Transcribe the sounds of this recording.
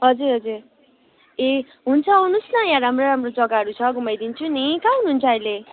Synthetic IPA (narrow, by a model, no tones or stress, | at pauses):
ɦʌd͡zuɾɦʌd͡zuɾ | e | ɦunt͡sʰʌɦunusnʌjãɾamroɾamrod͡zʌɡaɦʌɾut͡sʰʌɡumʌjd̪int͡sʰunikãɦunɦunt͡sʰʌʌjle